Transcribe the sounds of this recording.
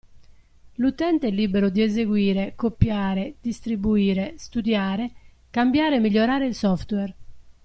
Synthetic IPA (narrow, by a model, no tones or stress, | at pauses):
lut̪ɛnt̪eɛlːiːbeɾʊd̪iɛzeɡwiːɾekopːjaːɾed̪̥ist̪ɾibuiːɾest̪ud̪jaːɾe | kambjaːɾeɛmːiʎːoɾaːɾeilsɔft̪wɛr